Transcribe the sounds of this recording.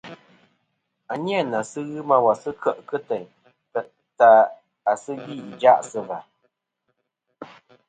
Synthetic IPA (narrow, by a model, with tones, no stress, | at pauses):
a˨ɲja˦˨na˨sɨ˦ɣɨ˦ma˦wa˨sɨ˦kʰə˦ʔkɨ˦tɛ˨ɲ˨ | ta˨ | a˨sɨ˦ɣi˦˨i˨d͡ʒa˦ʔsɨ˦va˨